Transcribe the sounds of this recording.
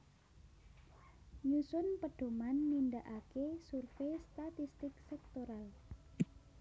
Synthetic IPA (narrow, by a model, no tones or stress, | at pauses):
ɲusʊnpəɖ̥o̤manːindaʔakesurfest̪at̪ist̪ɪksɛk̚t̪oɾal